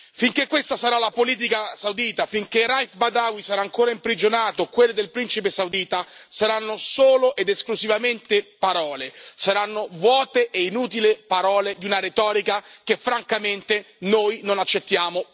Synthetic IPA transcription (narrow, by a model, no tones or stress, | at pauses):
fiŋkekːwest̪asaɾalapoliːt̪̬ikasawd̪iːt̪afiŋkerajfbad̪awisaɾaːŋkoːɾaimpɾid͡ʒonaːt̪okwelːed̪elpɾint͡ʃip̬esawd̪iːt̪asaɾanːosoːloʔed̪eskluzivament̪epaɾɔːlesaɾanːovwɔːt̪eʔeinuːt̪̬ilepaɾɔːled̪iunaɾet̪ɔːɾikak̟efɾaŋkament̪e | nojnonat͡ʃːet̪ːjaːmo